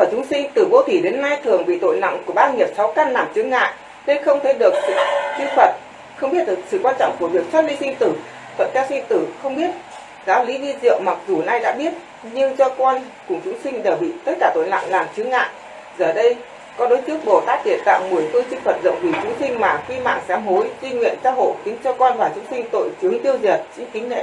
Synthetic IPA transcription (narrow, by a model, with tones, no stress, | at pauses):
əː˧˩t͡ɕʊ˨˦ŋ͡msï˧ŋ̟t̪ɨ˨˩vo˧t̪ʰi˧˩ɗe˨˦nːa˧jt̪ʰɨ˨˩əŋɓḭ˨t̪o̰˧˨jna̰˧˨ŋku˧˩əɓaː˧ŋi˨˩əp̚sa˨˦wka˧nːa˨˩mt͡ɕɨ˨˦ŋa̰ː˧˨j | ne˧nxə˧wŋ͡mt̪ʰe˨˧˩ɗɨ˨˩ək̚st͡ɕi˧ŋfə˨˩t̚ | xə˧wŋ͡mɓi˦˥ət̚ɗɨ˨˩k̚sɨ̰˧˨kwaː˧nt͡ɕɔ̰˧˨wŋ͡mku˧˩əvi˨˩ək̚t͡ɕə˦˥t̚li˧sï˧ŋ̟t̪ɨ˨˩ | t̪ʰə̰˧˨nkaː˧wsï˧ŋt̪ɨ˨˩xə˧wŋ͡mɓi˦˥ət̚ | zaː˨˦wli˨˦vi˧zḭ˧˨əwŋ͡mma˨˩k̚zu˨˩na˧jɗa̰ː˧˥ɓi˦˥ət̚ | ɲɨ˧ŋt͡ɕɔ˧kɔ˧n | kʊ˨˩ŋ͡mt͡ɕʊ˨˦ŋ͡msï˧ŋ̟ɗəː˨˧˩ɓḭ˧˨t̪ə˦˥t̚kaː˧˩t̪o˧˨˩jnla̰˧˨ŋlaː˨˩mt͡ɕɨ˨˦ŋa̰ː˧˨ʔ | zəː˨˩ɗə˧j | kɔ˨˦ɗo˨˦jt͡ɕɨ˦˥ək̚ɓo˧˩t̪aː˦˥k̚ɗḭ˨˩ənt̪a̰ː˧˨ŋmɨ˨˩əjfɨ˧t͡ɕi˧ŋfə˨˩t̚zə̰˧˨wŋ͡mvi˧˩t͡ɕʊ˨˦ŋ͡msï˧ŋ̟maː˨˩xi˧ma̰ː˧˨ŋsɛ˨˦mho˨˦jzi˧ŋwḭ˧˨ənsaː˨˦wɦo̰˧˨jt̪i˨˦ŋt͡ɕɔ˧kɔ˧nvaː˨˩t͡ɕʊ˨˦ŋ͡msï˧ŋ̟t̪o̰˧˨jt͡ɕɨ˨˦əŋt̪i˧əwzi˨˩ət̚t͡ɕï˨˦ŋ̟kï˨˦ŋ̟nḛ˧˨